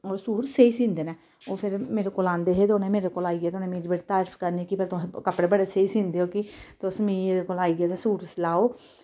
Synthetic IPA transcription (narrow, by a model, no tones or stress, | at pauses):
ɔːɾsuːɾseːiːsĩːnd̪eːnɛː | oːpʰɪɾmeːɾeːkoːlãːnd̪eːɦeːd̪oːneːmeːɾekoːlaːiːɡeːd̪oːnẽːmeːɾibeʈːt̪aːɾfʰkəɾniːkɪpəɾt̪õkəpɽeːbəɽeːseːiːsĩːnd̪eːoːkɪt̪ːsmĩːeːɾekoːlaːiːɡeːt̪asuːɾslaːoː